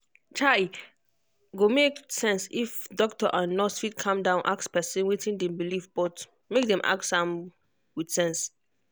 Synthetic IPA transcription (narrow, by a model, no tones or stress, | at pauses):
t͡ʃʰai | ɡomeksɛ̃nsifdɔk̚tɔʔãnːɔsfit̚kʰãmdãʊ̃nʔakspɛsɛ̃nwetʰĩndɛ̃mbilivb̥ɔt | mek̚dɛ̃mʔa̰k̚tsãm | wid̥sɛ̃ns